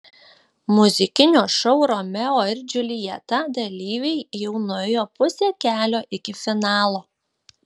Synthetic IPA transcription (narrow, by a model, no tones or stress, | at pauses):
mʊzʲɪkʲɪnʲoːʃɔʊɾoːmʲɛoːɪɾʲd͡ʒʲʊlʲɪjɛt̪ɐd̪ɐlʲiːʋʲɛɪjɛʊnʊɛjoːpʊsʲeːkʲæːlʲoːʔɪkʲɪfʲɪnɑːlˠoː